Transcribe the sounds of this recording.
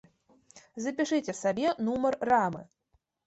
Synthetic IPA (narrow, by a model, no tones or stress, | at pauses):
zɐpʲiʂɨt͡sʲɛsabʲɛnumɐrːamɨ̰